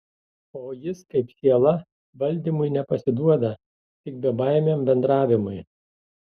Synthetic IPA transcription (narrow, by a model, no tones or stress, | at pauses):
oːjɪskɐɪpsʲiɛlˠɐ | ʋɐlʲd̪ʲiːmʊɪnʲɛpɐsʲɪd̪uɔd̪ɐ | t̪ʲɪk̚bʲɛbɑˑɪmʲeːmbʲɛnd̪ɾɑːʋʲɪmʊɪ